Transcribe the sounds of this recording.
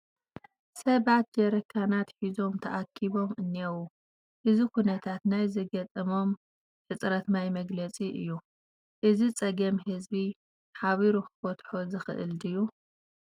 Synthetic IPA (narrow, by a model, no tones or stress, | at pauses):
sɐβat̪̚d͡ʒɐɾɐkʰːanat̪ħizo̞mt̪ʰɐʔakʰːiβo̞mɨnːiɐwu | ʔɨzikunɐt̪ʰat̪najzɐɡɐt̪ʼɨmo̞m | ħɨt͡sʼɾɐt̪majmɐɡlɐt͡sʼiʔɨ̰jːu | ʔɨzit͡sʼɐɡɐmhɨzbi | ħaβiɾuxɨ̥fɐt̪ħozɨxɨ̰ʔɨ̰ld̪ɨjːu